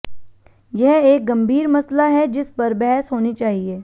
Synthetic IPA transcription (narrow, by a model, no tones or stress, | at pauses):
jɛɦeːk̚ɡɐ̃mbʱiːɾmɐslaɦɛd͡ʒɪspɐɾbɛɦsɦoːnit͡ʃaːɦieː